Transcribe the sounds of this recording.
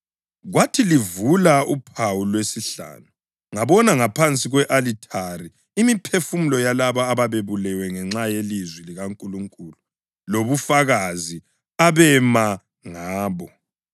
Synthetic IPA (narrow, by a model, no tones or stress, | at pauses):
ɣwatʰilivulaupʰawulwesiɬa̰ːnu | ŋaβɔnaŋapʰant͡sʼiɣwɛʔalitʰari | imipʰefum̩lɔjalaβaːβaβeβulɛwɛŋɛŋ͡ǁajelizwiliɣaŋkʼuluŋkʼuːlu | loβufaɣazi | aβɛma | ŋaːβɔ